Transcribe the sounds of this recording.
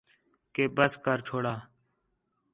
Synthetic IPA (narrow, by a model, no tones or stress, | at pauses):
keːbəskəɾt͡ʃʰoːɽaː